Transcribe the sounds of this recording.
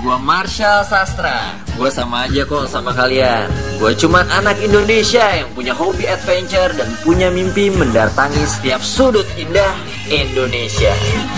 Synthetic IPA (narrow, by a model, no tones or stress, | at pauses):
ɡuamarʃalsast̪ɾa̰ | ɡuasamaːd͡ʒakɔsamakalianɡuat͡ʃumanʔanakindonesiajaŋpuɲaɦobiat̪̚fɛɲt͡ʃərdanpuɲamimpiməndat̪aŋisə̥t̪iap̚sudʊt̪̚indah | indonesia̰